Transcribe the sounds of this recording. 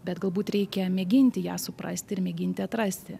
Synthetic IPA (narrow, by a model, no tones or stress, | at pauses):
bʲɛt̪ɡɐlˠbuːt̪ɾʲɛɪkʲɛmʲɛɡʲɪnʲt̪ʲɪjæːsʊpɾɐ̰sʲt̪ʲɪɪɾmʲɛɡʲɪnʲt̪ʲɪɐt̪ɾɐsʲt̪ʲɪ